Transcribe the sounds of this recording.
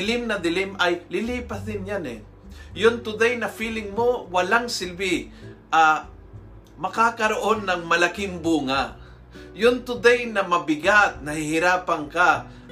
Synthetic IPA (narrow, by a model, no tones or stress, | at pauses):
ɪlɪmnɐd̪ɪlɪmʔɐjlɪliːpɐsd̪ɪnjanɛ̰ | jʊŋt̪ʊd̪ajnɐfiːlɪŋmowɐlaŋsɪlbɪʔa | mɐkaːkɐɾoʔonːɐŋmɐlɐkɪŋbuːŋa | jʊnt̪ʊd̪ajnɐmɐbɪɡat̪̚nɐhɪɦɪɾaːpɐŋka